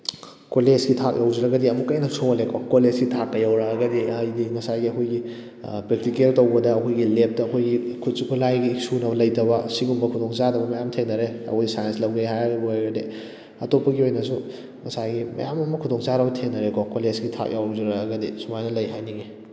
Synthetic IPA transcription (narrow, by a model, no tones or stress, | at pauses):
koled͡ʒɡitʰak̚jʔawd͡ʒɐɾɐɡɐdiɐmukɐjnɐsʰolekʰokolezɡitʰak̚ːɐjawɾaɐɡɐdijdiŋɐsaɡiɐkʰojɡi | pɾek̚tikeltowbɐdɐːkʰojɡilep̚tɐːkʰojɡikʰut̚sikʰulajɡiːksunɐbɐlɐjdɐbɐsiɡumbɐkʰudoŋt͡ʃadɐbɐmɐjamtʰeŋnɐɾeɐ̰kʰojɡisajenslɐwɡeɦajaɡbɐaɡɐdi | ɐtopːɐɡiojnɐsu | ŋɐsaɡimɐ̰jamɐmɐkʰudoŋt͡ʃaɾɐbɐtʰeŋnɐɾekɔkolesɡitʰa̰k̚jawd͡ʒɐɾɐɐɡɐdisumajnɐlɐjɦajniɡe